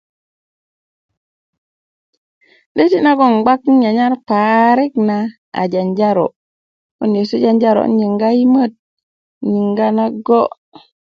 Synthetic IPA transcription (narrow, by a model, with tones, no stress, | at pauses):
ɗe˦ti˦na˦ɡo˨ŋɡ͡ba˦ka˨ɲa˦ɾpa˨ɾi˦kna˨ | a̰˨d͡ʒa˨nd͡ʒa˦ɾo̰˨ | ṵ˦nje˨su˦d͡ʒa˦nd͡ʒa˦ɾo̰˨˦nɲi˨ŋɡa˦i˦mə˦˨t̚ | ɲi˨ŋɡa˦na˦ɡo˦